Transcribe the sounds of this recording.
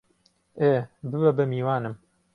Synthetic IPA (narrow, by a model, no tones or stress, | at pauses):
eːbɨbɛbɛmiːwaːnɨm